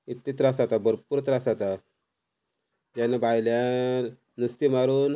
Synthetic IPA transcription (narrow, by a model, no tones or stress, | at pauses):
it̪ːit̪ɾasat̪abəɾpuɾt̪ɾasat̪a | d͡ʑanabajlja | nust̪imaɾuːn